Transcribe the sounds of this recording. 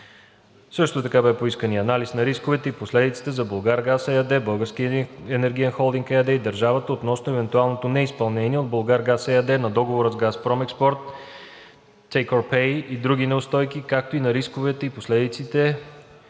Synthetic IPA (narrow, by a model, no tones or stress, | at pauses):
sɤʃt̪ot̪ɐkabɛpoiskəniəɐnalisnɐɾiskovɛt̪ɛiposlɛd̪it̪si̥t̪ɛzɐbolˠɡaɾɡasɛɐd̪ɛbɤlˠɡəɾsk̟iɛnɛɾɡʲijənxɔlˠd̪iŋkɛɐd̪ɛid̪ɐɾʒavət̪əot̪nɔsnoɛvɛnt̪ualˠnot̪onɛispɐlˠnɛniɛod̪̚bolˠɡaɾɡasɛɐd̪ɛnɐd̪ɔɡovoɾəzɡaspɾɔmɛkspɔɾt̪ | ɛjkoɾpɛjid̪ɾuɡ̟inɛʊst̪ɔjkikak̚t̪oinɐɾiskovɛt̪ɛiposlɛd̪it̪sit̪ɛ